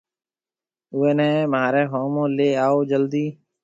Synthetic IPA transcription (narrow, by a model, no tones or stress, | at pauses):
ʊːeːnɛ̃ːmaːɾɛːɦoːmõːleːaːoːd͡ʒəld̪iː